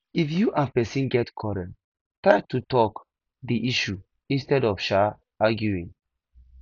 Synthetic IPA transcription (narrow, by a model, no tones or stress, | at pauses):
ifjuʔãnpɛsĩnɡɛtkʰɔɹɛ̃nt | tɹaɪtutɔk | diʔiʃu | ĩnstɛdɔfʃa | aɡjuĩŋ